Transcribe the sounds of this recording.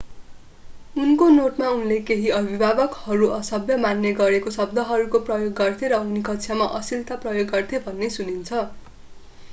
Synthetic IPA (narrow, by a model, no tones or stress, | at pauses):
unkonoʈmaunlekeɦiʌbʱibʱabʌkhʌɾuʔʌsʌbjʌmanːʌɡʌɾekosʌb̚d̪ʱʌɦʌɾukoprʌjoɡːʌrt̪ʰeɾʌunikʌtsʰjamaʔʌsilt̪aprʌjoɡːʌrt̪ʰebʱʌnːesunint͡sʰʌ